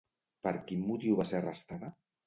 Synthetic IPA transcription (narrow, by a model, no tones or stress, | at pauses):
pəɾkinːut̪iwβaserəst̪aðə